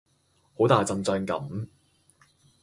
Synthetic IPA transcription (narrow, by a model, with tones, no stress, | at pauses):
ho˨˥wt̪aː˨jt͡sɐ˧nt͡sœː˧ŋkɐ̰˨˥m